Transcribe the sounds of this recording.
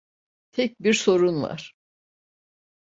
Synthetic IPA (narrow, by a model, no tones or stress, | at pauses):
t̪ʰɛc̚biɾso̞ɾunva̰ɾ̥